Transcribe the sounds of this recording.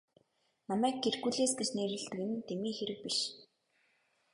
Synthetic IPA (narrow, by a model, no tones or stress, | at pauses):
namæːkːerɣuːɮeːsɡet͡ɕneːɾɘ̆ɮt̪ɘ̆kĕnɘ̆nt̪ʰemiːxeɾɘ̆k̚piʃ